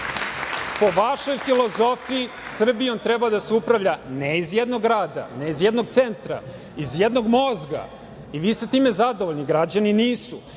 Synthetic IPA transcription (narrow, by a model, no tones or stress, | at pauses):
po̞ʋaʃo̞jfilo̞zo̞fii | sr̩biont̪ɾɛbad̪aseupɾaʋʎaneizjed̪no̞ɡɾaːd̪a̰neizjed̪no̞ɡ̚t̪se̞nt̪ɾa̰ | izjed̪no̞ɡmo̞zɡa̰ | iʋiːst̪et̪iːme̞zad̪oʋoʎniɡɾad͡ʑaniniːsu